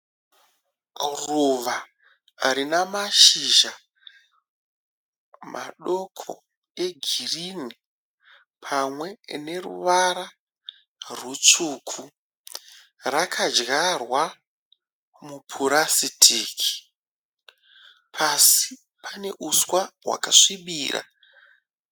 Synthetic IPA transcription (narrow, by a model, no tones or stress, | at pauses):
ruʋa | ɾinamaʃiʒa | mʔa̰ɗo̞kʰo̰ | e̞ɡʱirine | pʰamwe̞ne̞rṵʋaɾa | rut͡ʂuːkʰu | rakʰad͡ʒɣarwa | mupʰuɾasitʰiːkʰi̥ | pʰasi | pʰane̞ʔuswawa̰kaʂiɓiːrʔa̰